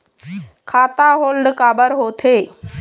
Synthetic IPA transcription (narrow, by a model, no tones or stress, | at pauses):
kʰaːt̪aɦoːlɖkaːbəɾɦoːt̪ʰeː